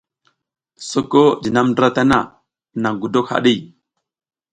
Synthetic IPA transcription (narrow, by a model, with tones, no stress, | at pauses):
so˦ko˦di˨na˦mndɾa˦ta˦na˦˨ | na˨ŋɡu˨do˦kha̰˨ɗi˦˨